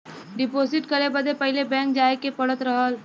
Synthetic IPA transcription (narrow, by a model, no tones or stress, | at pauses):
ɖɪpoːsɪʈkəɾebəd̪epɐɦɪlebɛ̃ːŋk̚d͡ʒaːekepɐɽət̪ɾɐɦəl